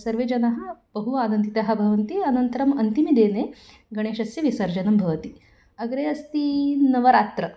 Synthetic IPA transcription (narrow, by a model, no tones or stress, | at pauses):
sɐɾʋed͡ʒɐnɐɦɐ̆bɐɦuaːd̪ɐnt̪it̪ɐɦɐbʱɐʋɐnt̪iɐnɐnt̪ɐɾɐmɐnt̪imid̪eːne | ɡɐɽ̃eːʃɐsjɐʋisɐɾd͡ʒɐnɐmbʱɐʋɐt̪i | ɐɡɾeɐst̪inɐʋɐɾaːt̪ɾɐ